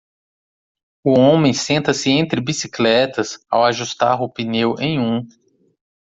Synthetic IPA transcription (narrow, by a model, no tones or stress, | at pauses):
ʊõmẽj̃sẽnt̪ɐsɪẽnt̪ɾɪbisiklɛt̪ɐsa̰waʒust̪a̰ɾʊpinewʔẽj̃ũ